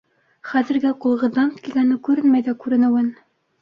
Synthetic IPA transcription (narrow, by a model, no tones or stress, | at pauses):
χæðɘ̆ɾɡæqŭlˠʁɤ̆ðɑnkiɡænɘkʉɾɘnmæjðækʉɾɘ̆nɘ̆wɘn